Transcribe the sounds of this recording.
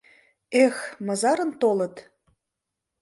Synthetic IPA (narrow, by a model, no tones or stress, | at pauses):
exmɤzɑɾə̆nt̪olɤ̆t̪